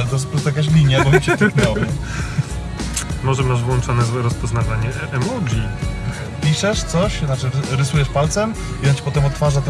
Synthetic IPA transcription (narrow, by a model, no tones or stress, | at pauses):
lɛt̪ɔs̬pɾɔst̪jakaɕ̬lʲiɲjabɔmt͡ɕɛt̪knɔwa | mɔʐɛmaʐvwɔnt͡ʂɔnɛzwɛɾɔspɔznavaɲɛ | ʔɛmɔd̪ʲi | pʲiʂɛʂt̪sɔɕnat͡ʂɘɾɾɘsujɛʂpalt̪sɛm | iɔnat͡ɕi̥pɔt̪ɛmɔt̪ːfaʐat̪